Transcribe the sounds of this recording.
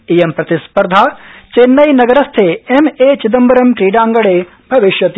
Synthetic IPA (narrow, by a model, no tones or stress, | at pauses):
ijempɾɐt̪ispɐɾd̪ʱaːt͡ʃeːnːɐjnɐɡɐɾɐst̪ʰeːemeːt͡ʃid̪ɐmbɐɾɐmʈɾiːɖaːŋɡɐɭeː | bʱɐʋiʃjɐt̪